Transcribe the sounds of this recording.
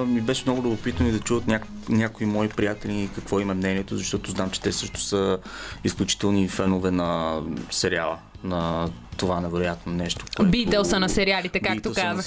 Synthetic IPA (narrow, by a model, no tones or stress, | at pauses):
mibɛʃɛmnɔɡʊlʲʊbopit̪ənid̪ɐt͡ʃuvət̪nʲak | nʲjakoimɔipɾijat̪ɛliːkɐkvɔimɐmnɛniɛt̪ʊzɐʃt̪ɔt̪oznamt͡ʃɛ̥t̪ɛsɤʃt̪ʊ̥səisklʲut͡ʃi̥t̪ɛlˠnifɛnovɛnɐsɛɾia̰lˠə̰ | nɐt̪ovanɛvɛɾojat̪nonɛʃt̪o̥koɛbit̪ɛlˠsɐnɐsɛɾialit̪ɛkakt̪okazəx